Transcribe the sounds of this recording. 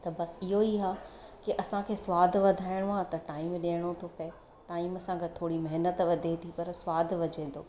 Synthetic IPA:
t̪ɐbɐsɪɦoiɦaːkiʔɐsãkʰeːsʋaːd̪ʱʋɐd̪ʱaːɪɽ̃ʊãt̪ɐʈaːɪmɗeːəɽ̃ot̪ʰopɐɪ | ʈaːɪmɐsãɡət̪ʰoːɽimɐɦnət̪ʋɐd̪ʱet̪ʰipɐɾsʋaːd̪ʱʋɐd͡ʑẽːn̆d̪o̰ː

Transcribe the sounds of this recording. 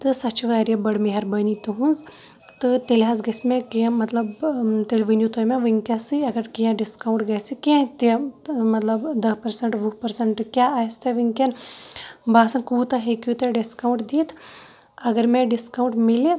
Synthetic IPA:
t̪ɨsɐt͡ʃʋaːɾijɐbɐɽmeɦɐɾbɐnit̪uɦunz | t̪ɨt̪elɦazɡɐsmẽkĩmɐt̪lɐbt̪elʲʋinjut̪ojmẽʋɨŋkʲasɨɐɡɐɾkijãɖiskauɳʈɡɐːsikẽt̪emɐt̪lɐbd̪ɐɦpɐɾsɐɳʈʋupɐɾsɐɳʈkʲjaːaːst̪ɐʋiŋkʲɐn | baːsɐnkuːt̪ɐɦekjut̪ɐɖiskawuɳʈd̪iːt̪ʰ | ɐɡɐɾmẽɖiskawũɳʈmile

